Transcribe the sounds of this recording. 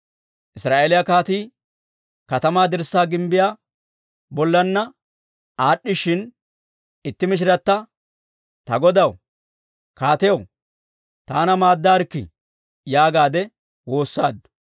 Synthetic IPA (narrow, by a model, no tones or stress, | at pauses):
ʔɪsɾaːʔeːlɪjɐkaːt̪iː | kɐt̪ɐmaːd̪ɪɾsːaːɡɪmbɪjaː | bɔlːɐnːɐ | aːɗːɪʃɪn | ɪt̪ːɪmɪʃ̬ɪɾɐt̪ːɐ | t̪ɐɡɔd̪ɐw | kaːt̪ɛjɐw | t̪aːnɐmaːd̪ːaːɾkːɪ̰ | jaːɡaːd̪ɛ | wo̞ːsːaːd̪ːʊ̥